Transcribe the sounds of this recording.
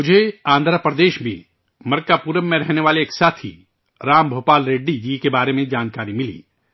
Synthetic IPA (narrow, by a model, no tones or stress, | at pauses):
mʊd͡ʒʱeãːnd̪ʱɾapɾəd̪eːʃbʱḭ | mɐɾkapuːɾəmːẽɾɛɦneʋaːleːksaːt̪ʰḭ | ɾaːmbʱoːpaːlɾeːɖːid͡ʒiːkebaːɾemẽd͡ʒaːnkaːɾimɪlḭː